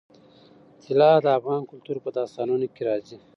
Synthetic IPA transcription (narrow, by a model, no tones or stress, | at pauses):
t̪ʰilɑːd̪əːfʁɑːnkʊlt̪uːɾpəd̪ɑːst̪ɑːnunokiɾɑːzi